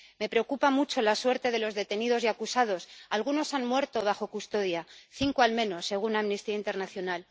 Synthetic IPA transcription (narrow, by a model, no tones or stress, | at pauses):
me̞pɾe̞o̞kupamut͡ʃo̞laswe̞ɾt̪e̞ðe̞lo̞zðe̞t̪e̞niðo̞zjakusað̞o̞salɣ̞uno̞sanmwe̞ɾt̪o̞β̞axo̞kust̪o̞ðjaθiŋkoalmẽ̞no̞sːe̞ɣ̞unaːmnist̪iaint̪e̞ɾnaθjo̞nal